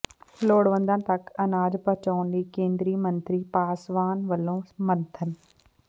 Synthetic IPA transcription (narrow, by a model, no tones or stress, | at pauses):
loːɽʋə̃nd̪ə̃nt̪ɐkɐnaːd͡ʒpɐt͡ʃoːnliːkẽːnd̪ɾiːmɐ̃nt̪ɾiːpaːsʋaːnʋəlõːmɐnt̪ʰən